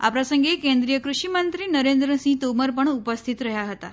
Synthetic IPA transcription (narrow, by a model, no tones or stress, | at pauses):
a̰pɾasəŋɡʱekẽnd̪ɾijəkɾuɕimənt̪ɾiːnəɾend̪ɾəsĩt̪oməɾpəɳupəst̪ʰit̪ɾəɦjaɦət̪a